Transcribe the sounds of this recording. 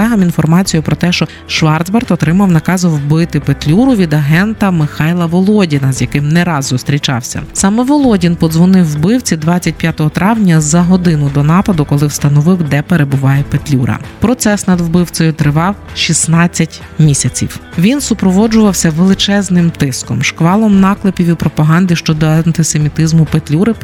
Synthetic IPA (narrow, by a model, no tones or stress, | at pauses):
ɛɦɐminfɔrmɑt͡sʲijʊpɾɔt̪ɛʃt͡ʃɔ | ʃʋɑrd̪zbɐrt̪ɔt̪ɾɪmɐwnɐkɑzɐwbɪt̪ɪpet̪ʲlʲuɾʊʋʲid̪ɐɦɛnt̪ɐmɪxɑjlˠɐʋɔlˠɔdʲinɐzjɐkɪmnɛɾɑzːʊst̪ɾʲit͡ʃɑ̰wsʲɐ̰sɑmɛʋɔlˠɔdʲinpɔd̪zʋɔnɪwːbɪwt͡sʲid̪ʋɑt͡sʲːɐt̚ʲpʲjat̪ɔɦɔt̪ɾɑwnʲɐzɐɦɔd̪ɪnʊd̪ɔnɑpɐd̪ʊkɔlˠɪwst̪ɐnɔʋɪwd̪ɛpeɾebʊʋɑjɛpet̪ʲlʲuɾɐ̰pɾɔt̪sɛsnɐd̪wbɪwt͡s̪ʲɔjʊt̪ɾɪʋɑwʃisnɑt͡sʲːɐtʲ | mʲisʲɐt͡sʲḭwʋʲinsʊpɾɔʋɔd͡ʒʊʋɐwsʲɐʋelˠɪt͡ʃɛznɪmt̪ɪskɔmʃkʋɑlˠɔmnɑklˠɪpʲiwʲipɾɔpɐɦɑnd̪ɪʃt͡ʃɔd̪ɔɐnt̪ɪsemʲit̪ɪzmʊpet̪ʲlʲuɾɪ